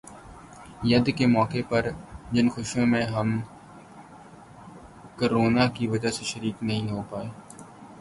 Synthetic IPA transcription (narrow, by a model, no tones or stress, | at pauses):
jɐd̪kemɔːkepɐɾd͡ʒɪnxʊʃõmẽɦɐm | koːɾoːnakiʋɐd͡ʒaseʃəɾiːknɐɦĩɦopaːeː